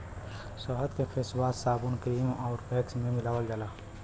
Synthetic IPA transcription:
səɦət̪kefʰeːswaːt̪saːbunkɾiːmɔːɾpeːksmẽmɪlaːwəld͡ʒalaː

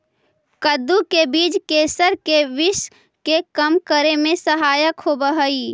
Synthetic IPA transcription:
kəd̪ukebiːd͡ʒkeːsəɾkeʋɪʃ | kekəmkəɾemẽsəɦaːjəkɦobəɦəi

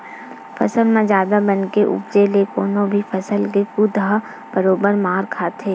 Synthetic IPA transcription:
fʰɐ̰səlmẽd͡ʒjaːd̪abɐnkeʔʊ̰pd͡ʒelekoːnõbʱifʰɐsəlkekud̪ʱa | b̥əɾoːbəɾmaːɾkʰaːt̪ʰeː

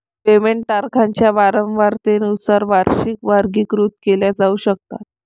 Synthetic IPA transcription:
pemeɳʈaɾkʰaɲt͡ɕjaʋaɾəmʋaɾt̪enusaɾʋaɾɕikʋaɾɡiːkɾut̪keljad͡zauːɕək̚t̪a̰t̪̚

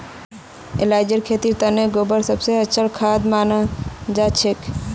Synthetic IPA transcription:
ḛlajd͡ʒeɾkʰet̪iɾt̪aneɡobəɾsəbseət͡ʃʰəɾkʰad̪manad͡ʒat͡ʃʰek

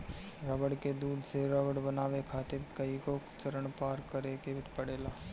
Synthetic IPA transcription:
ɾɔːbəɽked̪uːɖ̪seɾaːʋəɽbənaːʋekʰaːt̪ɪkəikot͡ʃəɾəɳpaːɾkːəɾekebɪʈ̪ʰpəɽeːlaː

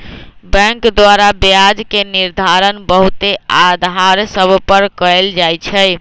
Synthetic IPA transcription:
bɛ̃ŋkd̪waɾabjad͡ʒkeniɾd̪ʱaɾənbəɦut̪ead̪ʱaɾsəbʱpəɾkəeld͡ʒajt͡ʃʰəj

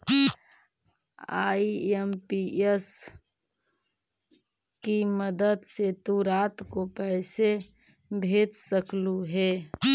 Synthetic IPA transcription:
aːiempies | kiməd̪əd̪set̪uɾaːt̪kopɛɪsebʱeːt̪səkluɦɛː

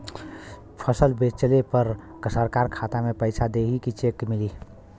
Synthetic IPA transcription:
pʰəsəlbet͡ʃəlepəɾ | ksəɾkaɾkʰat̪amepəɪt͡ʃʰad̪eɦikit͡ʃekmili

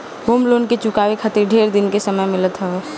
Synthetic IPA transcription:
ɦoːmloːnket͡ʃʊkaːʋekʰət̪ɪɾɖʱeːɾd̪ɪnkesəməjmɪlət̪ɦɛ

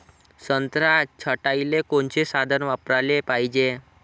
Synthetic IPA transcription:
sənt̪ɾat͡ɕʰəʈajlekoɳt͡ɕesad̪ʱənʋapɾalepaid͡ʑe

